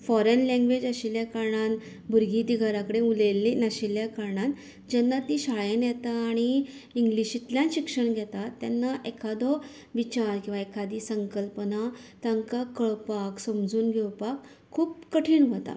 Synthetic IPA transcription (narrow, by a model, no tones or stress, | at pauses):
fɔɾənlɛ̃ŋɡʋed͡ʑəɕiljakaɾɳan | bʱuɾɡid̪iɡʱaɾakəɽeulelenəɕiljakaɾɳan | d͡ʑɛnːat̪iɕaɭjenjɛt̪aːɽ̃iiŋɡliɕit̪ljãnɕikʂəɳɡʱɛt̪at̪ːjanːaʔekʰad̪ɔ | ʋit͡ɕaɾkĩw̃ʋaekʰad̪isəŋkəlpənat̪aŋkakəɭpaksəmd͡zuːnɡʱɛwpakʰː | uːpkəʈʰiːɳʋət̪a̰